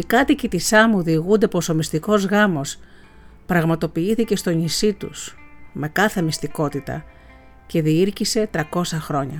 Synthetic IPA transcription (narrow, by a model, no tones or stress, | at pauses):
ikɐt̪icit̪isɐmuðiɣund̪e̞po̞so̞mist̪iko̞zɣɐmo̞s | pɾɐɣmɐt̪o̞piiθice̞st̪o̞ɲisit̪ṵsme̞kɐθe̞mist̪iko̞t̪it̪ɐ̰ | ce̞ðiiɾcise̞t̪ɾɐko̞sɐxɾo̞ɲɐ̰